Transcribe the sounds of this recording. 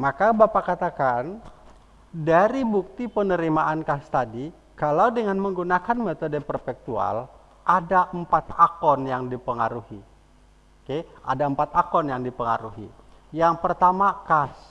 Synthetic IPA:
makabapakat̪akan | daɾibuk̚t̪ipənəɾimaʔankast̪adi | kalawdəŋanməŋɡunakanmet̪ɔdəpərpɛk̚t̪ua̰l | ʔadaʔəmpat̪akɔnjaŋdipəŋaɾuhi | okea̰daəmpat̪akɔnjaŋdipəŋaɾuɦḭ | jaŋpərt̪amakas

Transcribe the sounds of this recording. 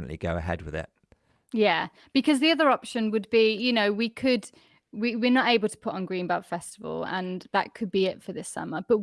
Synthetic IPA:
ə̰̃nʔlḭɡəʊəɦɛ̰d̚wɪðɪ̰t̚ | jæ | b̥ɪkʰɒzðiʌðəɹɒpʃə̃nwəd̚bijɨnoʊwikʰəd | wiwɪɹnəteɪbəl̩ˠtʰə̥pʰʊtn̩ɡɹĩnbaʊtfɛstɪvə̰lˠə̰̃nðə̰ʔkʰəd̚biɪtfəðɪsʌ̰məb̥ʌʔ

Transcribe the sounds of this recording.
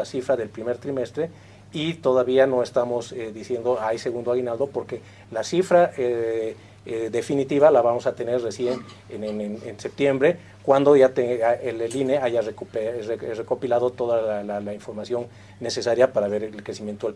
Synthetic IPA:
asifɾaðe̞lpɾime̞ɾt̪ɾime̞st̪ɾe̞ | it̪o̞ðaβiano̞e̞st̪amoseðisje̞nd̪oajse̞ɣund̪oaɣinald̪o̞po̞ɾke̞ | lasifɾae | ðe̞finit̪iβalaβamo̞sat̪e̞ne̞ɾre̞sje̞n | ennense̞p̚t̪je̞mbɾe̞ | kwand̪o̞ʝat̪eelelineaʝarekprereko̞pilaðo̞t̪o̞ðaalalaiɱfo̞ɾmasjo̞nː | e̞se̞saɾjapaɾaβe̞ɾeelkɾesimje̞nt̪oe

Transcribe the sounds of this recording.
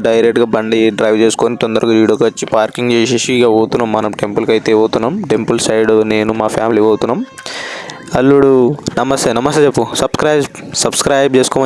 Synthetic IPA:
ɖɐjɾek̚ʈɡaːbɐɳɖiɖɾɐjʋt͡ʃe̞ːsu̥koːnit̪ɔnd̪ɐɾɐkuʋiːɽjoːkɐt͡ʃːipaːɾkiŋɡt͡ʃeːseʃiɡaːoːt̪unːaːmːɐnɐmʈempɐlkɐjt̪eːoːt̪unːaːmʈempɐlsɐjɖoneːnumaːpʰjaːmiliːɡɐːwt̪unːaːm | ɐlːuɽunɐmɐst̪eːnɐmɐst̪eːt͡ʃepːusɐb̥skɾɐːjsɐbskɾaːjb̚t͡ʃeːsukoːmɐ

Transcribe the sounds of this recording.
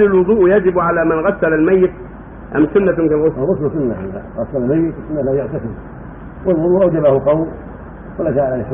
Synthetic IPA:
ɪlwʊd̪ˤuːʔjad͡ʒɪbʕalaːmanɣasːalalmajːɪt̪̚ | ʔamsʊnːamkalɣʊsˤɣʊsˤlsʊnːaha̰ða̰ɣɑsːalalmajːɪt̪sʊnːalaːjʊʕt̪asɪɾ | wɪlwʊd̪ˤuːʔawd͡ʒabahʊqɑwl | kɪlːaʃaːʔaaħ

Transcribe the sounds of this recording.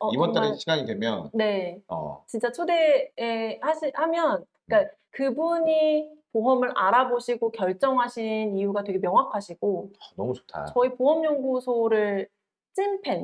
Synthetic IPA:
ʌibʌnt͈aɾeɕʰiɡaŋidwe̞mjʌnne̞̰ | t͡ɕint͡ɕ͈at͡ɕʰode̞ehaɕʰihamjʌn | k͈a | kɯbuɲipoɦʌmɯɾʔaɾaboɕʰiɡokjʌɭt͡ɕ͈ʌŋɦaɕʰinijuɡatwe̞ɡe̞mjʌŋɦwakʰaɕʰiɡ̥onʌmut͡ɕo̥tʰa̰t͡ɕʌipoɦʌmjʌŋɡusʰoɾɯɭ | t͡ɕ͈inpʰe̞n

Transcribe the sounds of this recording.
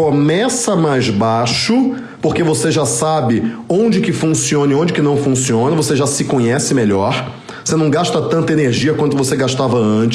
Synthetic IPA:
omɛsɐmajzbaʃʊ | poɾkevoseʒasabɪõd͡ʒɪkɪfũsiõnɐiõd͡ʒɪkɪnɐ̃w̃fũsiõnɐvoseʒasɪkõɲɛsɪmeʎɔɾ | vosenɐ̃w̃ɡaʃt̪ɐt̪ɐ̃nt̪ɐeneɾʒiɐkwɐ̃nt̪ʊvoseɡaʃt̪avɐɐ̃t͡ʃɪ̥

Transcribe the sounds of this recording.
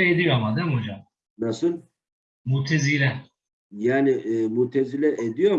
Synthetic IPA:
ɛed̪ijomad̪æmod͡ʒam | nasɯn | mut̪ʰezilʲɛ | jaːniʔːmut̪ʰezilʲɛʔed̪ijoɾ

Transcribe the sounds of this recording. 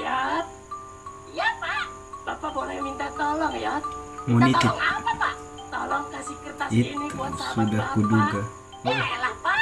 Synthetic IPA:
ja | japa | bapabonɛjmint̪at̪ɔlɔŋjamunit̪ɪkpapa | t̪ɔlɔŋkasɪkərt̪ait̪niuat̪sudahkuduɡa | lapa

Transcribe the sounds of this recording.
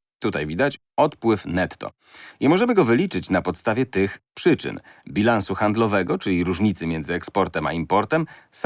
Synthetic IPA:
t̪ut̪ajvʲid̪at͡ɕ | ɔt̪pwɘfnɛt̪ːɔ̰ | ɲɛmɔʐɛmɘɡɔvɘlʲit͡ʂɘt͡ɕnapɔt̪st̪avʲjɛt̪ɘxpʂɘt͡ʂɘ̰nbʲilansuxand̪lɔvɛɡɔt͡ʂɘlʲiɾuʐɲit̪sɘmʲjɛnd̪zɘɛkspɔɾt̪ɛma̰impɔɾt̪ɛms

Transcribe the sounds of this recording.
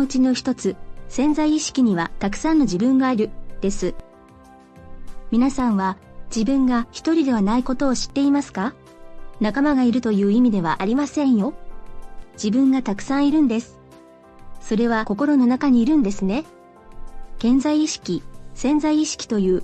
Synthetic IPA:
oɯt͡ɕino̞çi̥t̪o̞t͡sɨsẽ̞nzaiːɕi̥kʲiɲ̟iβat̪akɯ̟̥sãnːo̞ʑibɯ̟̃ŋɡaːɾɯ̟d̪̥e̞sɨ | mʲinasãɰ̃βa | d͡ʑibɯ̟̃ŋɡaçi̥t̪o̞ɾʲid̪e̞β̞anaiko̞t̪o̞ːɕi̥t̪ːe̞imasɨ̥ka | nakamaɡaiɾɯ̟t̪o̞jɯ̟ːimʲid̪e̞β̞aʔaɾʲimasẽ̞ɰ̃jo̞ | d͡ʑibɯ̟̃ŋɡat̪akɯ̥sãɰ̃iɾɯ̟̃nd̪e̞sɨ̥ | so̞ɾe̞β̞ako̞ko̞ɾo̞no̞nakaɲ̟iːɾɯ̟̃nd̪e̞sɨne̞ | kẽ̞nzaiːɕi̥kʲisẽ̞nzaiːɕi̥kʲi̥t̪o̞jɯ̟ː

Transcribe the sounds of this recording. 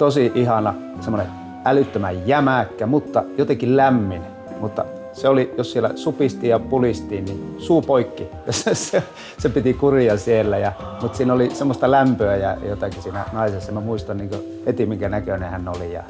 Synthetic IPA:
t̪osiʔihɑnɑ | semːone | ælyt̪ːømæjjæmækːæmut̪ːɑjot̪ekillæmːin | mut̪ːɑ̰ | seolijossielːæ̰supist̪iːjɑpulist̪iːnnisuːpoikːijosese | sepit̪ikurijɑsielːæjɑ | mut̪siːnolisemːost̪ɑlæmpøæjɑ̰jot̪ɑkisiːnæ̰nɑisesːɑmæmuist̪ɑnniːŋkø | het̪imiŋkænækønehænːolijɑ̰

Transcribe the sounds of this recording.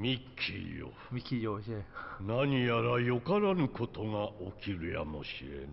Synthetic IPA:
mʲikʲʰːḭjo̰ | mikʲijoenaɲ̟ijaɾajokaɾanɯ̟kʰo̞t̪o̞ŋaokʲiɾɯ̟ja̰mo̞ɕiɾḛn

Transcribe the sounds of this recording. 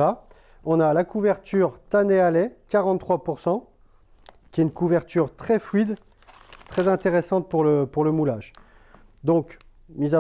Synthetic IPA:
a | ɔ̃nalakuvɛʁt̪ʰyʁt̪anealɛkaʁɑ̃t̪t̪ːχwapuʁsɑ̃ | kʲiɛynkuvɛʁt̪yʁt̪χɛflɥid̪ | t̪χɛzɛ̃t̪eʁesɑ̃t̪̚puʁləpuʁləmulaʒ | d̪ɔ̃k | miza

